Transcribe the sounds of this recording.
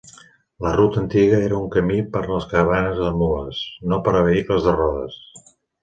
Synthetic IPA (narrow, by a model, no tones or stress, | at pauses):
lərut̪ənt̪iɣəeɾəuŋkəmipəɾləskəɾəβ̞anəzðəmuəsnopəɾəβəikləzðərɔðəs